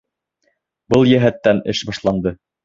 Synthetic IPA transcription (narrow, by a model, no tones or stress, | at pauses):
bɤlˠjæɦæt̪ːænɘ̰ʃbɑʃlˠɑnd̪ɤ